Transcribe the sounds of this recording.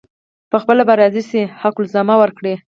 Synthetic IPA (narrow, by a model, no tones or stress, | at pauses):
pəxpəlabaɾɑzisehaqʊlzɑmawəɾkɽe